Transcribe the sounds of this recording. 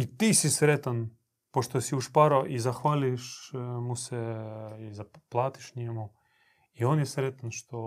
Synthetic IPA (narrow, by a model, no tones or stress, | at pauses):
it̪isisɾet̪an | poʃt̪osiuʃpaɾoʔizaxʋaliʃmusɛizaplˠaːt̪i̥ʃɲɛmu | ionjɛsɾet̪anʃt̪o